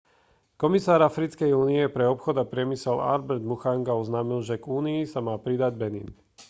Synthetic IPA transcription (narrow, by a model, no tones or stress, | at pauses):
kɔmisaːɾafɾit͡skɛjuːniɛpɾɛɔpxɔd̪apɾɪɛmisɛla̰ɾbɛɾd̪muxaŋɡaɔznaːmilʒɛɡuːniisamaːpɾid̪aɟbɛnḭːn